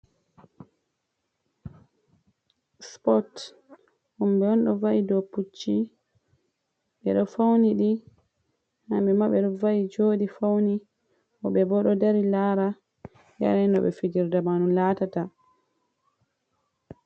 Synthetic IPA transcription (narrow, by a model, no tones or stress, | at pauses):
spɔt | humbɛɔnɗɔvaʔidɔput͡ʃːi | ɓɛ̰ɗɔfawniɗi | ha̰mɓɛmaɓɛɗɔvajid͡ʒoɗifawni | ʔɔɓɛbɔɗɔdaɾilaɾa | ja̰ɾɛnɔɓɛ̰fid͡ʒiɾdamanunlatata